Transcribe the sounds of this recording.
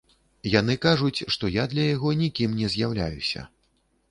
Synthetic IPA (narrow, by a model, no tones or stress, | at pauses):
janɨkaʐut͡sʲʂt̪ɔjad̪lʲɐjaɣɔnʲikʲimnʲɛzʲjawlʲa̰jusʲɐ̰